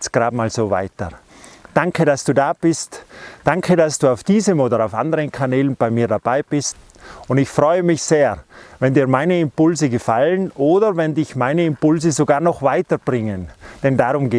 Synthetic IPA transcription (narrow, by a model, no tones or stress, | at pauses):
t͡sɡ̥ʁaːdmaːlz̥oːva̰ɪtə̰ | d̥aŋkʰəɾasd̥uːdaːb̥ɪstd̥aŋkʰədasd̥uːaʊfd̥iːzəmoːdɐaʊfʔa̰ndəʁənkʰanɛːlənb̥aɪmiːɐdab̥aɪb̥ɪst | ʊndɪçfʁɔʏəmɪçseːɐvɛndiːɐmaɪnəɪmpʊlzəɡəfalənʔoːdɐvɛndɪçmaɪnəɪmpʊlzəzoɡaːɐnɔχv̥aɪtəb̥ʁɪŋənd̥ɛndaʁʊmɡeː